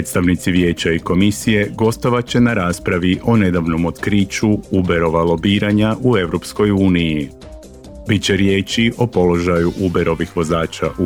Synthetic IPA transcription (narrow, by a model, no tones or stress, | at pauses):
pɾeːt̪st̪aʋnit̪siʋje̞ːt͡ɕaiko̞misije̞ɡo̞st̪o̞ʋat͡ɕe̞naɾaːspɾaʋiʔo̞ne̞d̪aʋno̞mo̞t̪kɾit͡ʃuube̞ɾo̞ʋalˠo̞biːɾaɲaʔue̞ʋɾo̞psko̞juːniji | bit̪t͡ɕe̞ɾje̞ːt͡ɕiʔo̞po̞lo̞ʒajuʔube̞ɾo̞ʋixʋo̞zaːt͡ʃaʔu